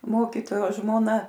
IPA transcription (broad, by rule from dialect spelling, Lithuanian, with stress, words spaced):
ˈmoːkʲiːtoːjoː ʒmoːˈnɐ